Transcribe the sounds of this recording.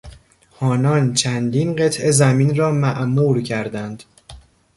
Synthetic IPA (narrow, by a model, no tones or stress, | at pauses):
hɒːnɒːnt͡ʃʰænd̪inɢe̞t̪ʰe̞zæmiːnɾɒːmæʔnuːɾcʰæɾd̪ænd̪̥